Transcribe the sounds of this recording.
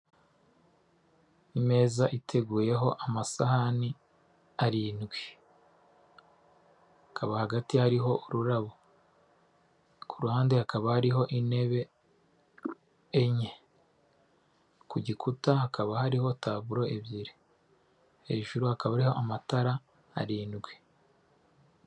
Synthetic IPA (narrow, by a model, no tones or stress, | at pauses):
ime̞ːzaʔitʰe̞ɡuːje̞ɦo̞ʔamasahani | aɾiːnɡwe | hakʰaβahaɡatihaɾiɦo̞ʔuɾuɾaβo | kʰuɾuhaːndehakaβahaɾiɦo̞ʔine̞βe̞ | ɲe | kuɟikʰutahakaβahaɾiho̞taːβuɾo̞ʔeβiɾe | he̞ːʒuɾuhakaβaɾihoʔamataɾa̰ː | ɾiːnɡwe